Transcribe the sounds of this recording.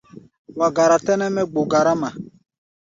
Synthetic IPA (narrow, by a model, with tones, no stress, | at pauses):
wa˨ɡa˨ɾa˨tɛ˦nɛ˦mɛ˦ɡ͡bo˨ɡa˨ɾa˦mã˨